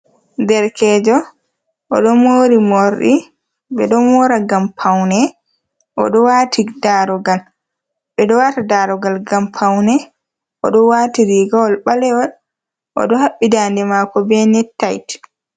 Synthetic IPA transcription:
dɛɾkɛːd͡ʒɔ | ʔɔɗɔmoːɾimoɾɗḭ | ɓɛɗɔmɔɾaɡampʰawnɛ | ʔɔ̰ɗɔwatʰidaɾɔɡal | ɓɛɗɔwatadaɾɔɡalɡampʰawnɛ | ʔɔ̰ɗɔwaːtiɾiɡawɔlɓalɛwɔl | ʔɔ̰ɗɔhaɓːidandɛmakɔbɛnɛtːajt

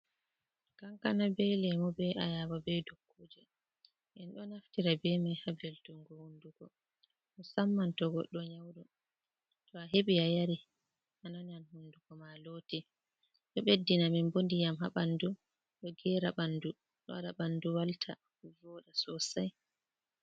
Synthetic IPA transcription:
kaŋkanabɛjlɛmɔbɛajawabɛjdokʰːoːd͡ʒɛ | ʔɛnɗɔnaftiɾabɛmajhabɛltuŋɡɔhunduɡɔ | ɔsamːantɔɡɔɗɔɲawɗɔ | tɔaɦeɓiajaɾi | ʔanananhunduɡɔmaloːti | ɗɔɓedːinaminbondijamha̰ɓandu | ɗɔɡɛɾaɓandu | ɗɔaɗaɓanduwaltʰa̰ | vɔɗasɔsaj

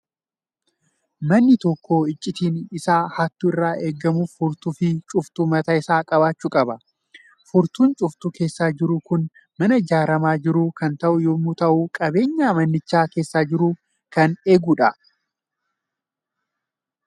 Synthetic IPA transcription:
mɐnːɪt̪ɔkːoːɪt͡ʃʼːɪt̪iːnɪsaːhaːt̪ːʊɪrːaːʔe̞ːɡːɐmuːfʊɾt̪ʊfɪt͡ʃʼʊft̪uːmɐt̪ɐɪsaːkʼɐbaːt͡ʃːuːkʼɐbɐ | fʊɾt̪uːnt͡ʃʼʊft̪uke̞ːsːaːd͡ʒɪɾʊkʊn | mɐnɐɪd͡ʒaːɾɐmaːd͡ʒɪɾuːkɐnt̪ɐʔʊjoːmːut̪ɐʔuːkʼɐbe̞ːɲːaːmɐnːɪt͡ʃːaːke̞ːsːaːd͡ʒɪɾuː | kɐne̞ːɡuːᶑɐ

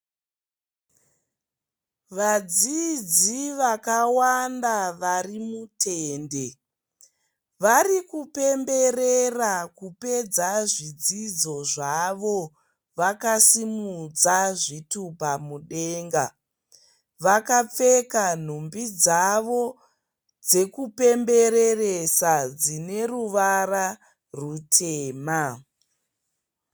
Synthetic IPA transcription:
ʋad͡zid͡ziʋakawandaʋarimutʰeːnde̞ | ʋarikupe̞mbe̞rerakupe̞d͡zaʐid͡zid͡zo̞ʐaʋo̞ | ʋakasimud͡zaʐitupamuɗe̞ːŋɡa | ʋakap͡fe̞kan̤umbid͡zaʋo̞ | d͡ze̞kupe̞mbe̞re̞resad͡zine̞ruʋara | rutʰeːma

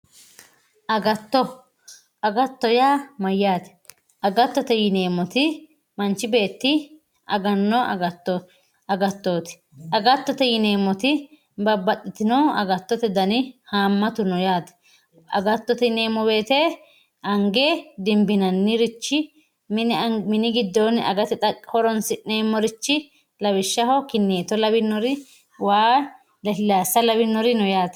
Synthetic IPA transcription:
ʔɐɡɐt̪ːɔ | ɐɡɐt̪ːɔjaːmɐjːaːt̪ɛ̥ | ʔɐɡɐt̪ːɔt̪ɛjɪne̞ːmːɔt̪ɪ | mɐnt͡ʃːɪbe̞ːt̪ːɪ | ɐɡɐnːɔʔɐ̰ɡɐt̪ːɔ | ɐɡɐt̪ːoːt̪ɪ̥ | ɐɡɐt̪ːɔt̪ɛjɪne̞ːmːɔt̪ɪ | bɐbːɐt̪ʼːɪt̪ɪnoːɐ̰ɡɐt̪ːɔt̪ɛd̪ɐnɪhaːmːɐt̪ʊnɔjaːt̪ɛ̥ | ɐ̰ɡɐt̪ːɔt̪ɛne̞ːmːɔbe̞ːt̪e | ʔɐŋɡed̪ɪmbɪnɐnːɪɾɪt͡ʃːɪ | mnmɪnɪɡɪd̪ːɔnɐ̰ɡɐt̪ɛt̪ʼɐhɔɾɔnsɪne̞ːmːɔɾɪt͡ʃːɪ | lɐbɪʃːɐɦɔkɪnːeːt̪ɔlɐbɪnːɔɾɪ | waː | llaːsɐlɐbɪnːɔɾɪnɔjaːt̪

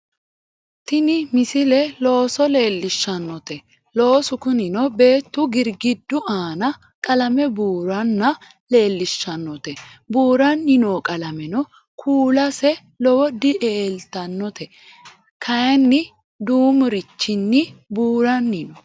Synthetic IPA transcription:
t̪ɪnɪmɪsɪlɛlo̞ːsɔle̞ːlːɪʃːɐnːɔt̪ɛ | lo̞ːsʊkʊnɪnɔbe̞ːt̪ːʊɡɪɾɡɪd̪ːʊʔaːnɐ | kʼɐlɐmɛbuːɾɐnːɐ | le̞ːlːɪʃːɐnːɔt̪ɛbuːɾɐnːɪnoːkʼɐlɐmɛnɔ | kʰuːlɐsɛ | lɔwɔd̪ɪʔeːlt̪ɐnːɔt̪ɛ | kʰɐjɐnːɪ | d̪uːmʊɾɪt͡ʃːɪnːɪbuːɾɐnːɪnɔ

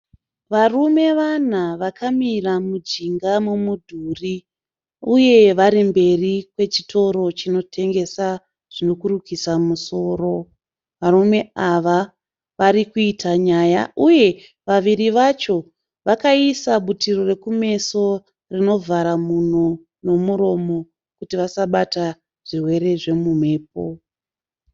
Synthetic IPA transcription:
ʋarume̞ʋan̤aʋakʰamiramud͡ʒiŋɡamumudʱuːri | uje̞ʋaɾimbe̞rikwe̞t͡ʃi̥tʰo̞ɾo̞t͡ʃino̞tʰe̞ŋɡe̞sa | ʐ̥ino̞kurukisamuso̞ːɾo̞ | ʋarume̞aʋa | ʋaɾikuitʰaɲaːja̰ʔuje̞ | ʋaʋiɾiʋat͡ʃo̞ | ʋakaisaɓutiro̞re̞kume̞so̞ | rino̞vʱaɾamun̤o | no̞muɾo̞mo̞ | kutiʋasaɓata | ʐ̥irwe̞ɾe̞ʐe̞mum̤e̞ːp̚o̰

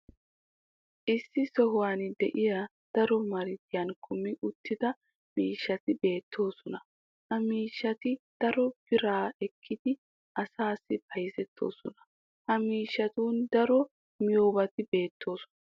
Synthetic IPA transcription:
ʔɪsːɪsɔɦʊwaːnd̪ɛʔɪja | d̪̥ɐɾɔmɐɾɪt̪ɪjaːnkʰʊmːɪʔʊt̪ːɪd̪ɐ | miːʃːɐt̪ɪbe̞ːt̪ʰːo̞ːsɔnɐ | hɐmiːʃːɐt̪ɪd̪̥ɐɾɔb̥ɪɾaːɛkʰːɪd̪ɪ | ɐsaːsːɪbɐjzɛt̪ːo̞̰ːsɔnɐ̥ | hɐmiːʃːɐt̪uːnd̪ɐɾɔ | mɪjoːbɐt̪ɪbe̞ːt̪ʰːo̞ːsɔ̥nɐ

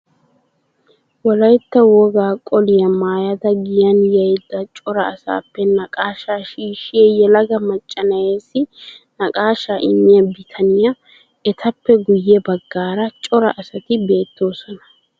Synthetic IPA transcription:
wɔlɐjt̪ːɐwɔɡaːkʼɔlɪjɐmaːjɐd̪ɐɡɪjɐnjɐjd̪ːɐt͡ʃʼɔɾɐːsa̰ːpːɛnɐkʼaːʃaːʃiːʃɪjɛjɛlɐɡɐmɐt͡ʃʼːɐnɐjeːsːɪnɐkʼaːʃaʔɪmːɪjɐbɪt̪ʰɐnɪjɐ | ɛt̪ʰɐpːɛɡʊjːɛbɐɡːaːɾɐt͡ʃʼɔɾɐʔɐsɐt̪ɪbe̞ːt̪ːo̞ːsɔnɐ̥

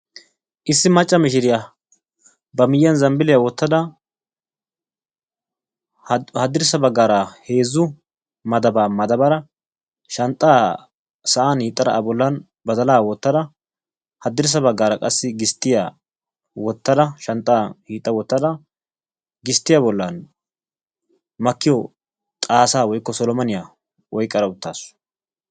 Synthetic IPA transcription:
ʔɪsːɪmɐt͡ʃʼːɐmɪʃɪɾɪja | bɐmɪjːɐnzɐmbɪlɪjawɔt̪ːɐd̪ɐ | hɐd̪ːɪɾsɐbɐɡːaːɾɐhe̞ːzʊ | mɐd̪ɐbaːmɐd̪ɐbɐɾɐ | ʃɐnt̪ʼːaː | sɐʔaːnhiːt̪ʼːɐd̪ɐ̰ʔɐbɔlːɐn | bɐd̪ɐlaːwɔt̪ːɐd̪ɐ | hɐd̪ɪɾs̬ɐbɐɡːaːɾɐkʼɐsːɪɡɪst̪ːɪjaː | wɔt̪ːɐd̪ɐʃɐnt̪ʼːaːhiːt̪ʼːɐwɔt̪ːɐd̪ɐ | ɡɪst̪ːɪjabɔlːan | mɐkːɪjɔ | t̪ʼaːsaːwɔjkːɔsɔlɔmɐnɪjaː | wɔjkʼːɐɾɐʊt̪ːa̰ːsʊ̥

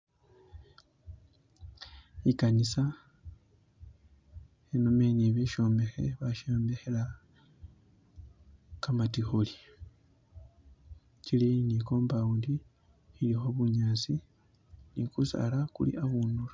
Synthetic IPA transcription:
ikanisa | enomeniβiʃo̞ːmbe̞xe̞̰βaʃoːmbe̞xela | kamatixoli̥ | ciliniko̞ːmbaundi | ilixoβuɲaːt͡si | nikusa̰lakṵlḭʔaβuːnulo

